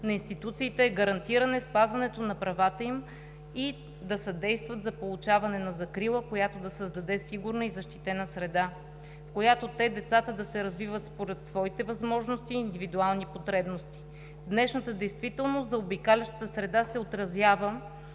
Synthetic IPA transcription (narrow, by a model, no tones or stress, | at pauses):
nɐinst̪it̪ut̪siːt̪ɛːɡɐɾɐnt̪iɾənɛspazvɐnɛt̪onɐpɾɐvat̪əim | i | d̪ɐsɐd̪ɛjst̪vɐt̪zɐpolˠʊt͡ʃavɐnɛnɐzɐkɾilˠəkojat̪od̪ɐsəzd̪ɐd̪ɛsiɡuɾnəizɐʃt̪i̥t̪ɛnəsɾɛd̪a | fkojat̪ot̪ɛd̪ɛt̪sat̪əd̪ɐsɛɾɐzvivət̪spoɾɛt̪svɔit̪ɛvɐzmɔʒnost̪iːnd̪ivid̪ualˠnipot̪ɾɛbnost̪i̥ | vd̪nɛʃnət̪əd̪ɛjst̪vit̪ɛlˠnost̪zɐobikalɛʃt̪ə̥t̪əsɾɛd̪asɛot̪ɾɐzjavə